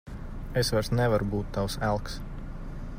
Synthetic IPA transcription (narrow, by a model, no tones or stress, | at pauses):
esʋæɾsnɛvaɾubuːt̪ːawsælˠks